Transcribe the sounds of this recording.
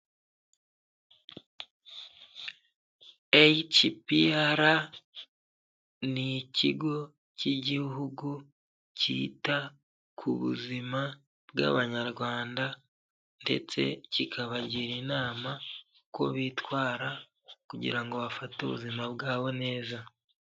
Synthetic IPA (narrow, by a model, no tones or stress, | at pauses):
et͡ʃipijaɾa | niciɡo̞ | ciɟiɦuɡu | cḭːta | kʰuβṵzima | bɡa̰βaɲaɾɡwaːnda | nde̞̰t͡se̞̰cikʰaβaɟiɾinaːma | kwo̞̰βiːtwaːɾa | kuɟḭɾaŋɡo̞βafatuβṵzimabɡaːβo̞ne̞ːza